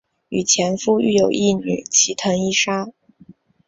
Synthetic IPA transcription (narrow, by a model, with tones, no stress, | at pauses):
y˨˩t͡ɕʰjɛ˧˥nfu˥y̰˥˩jo˨˩ʊʔi˥˩ny̰˨˩˦t͡ɕʰi˧˥t̪ʰɤ˧˥ŋi˥˩ʂa˥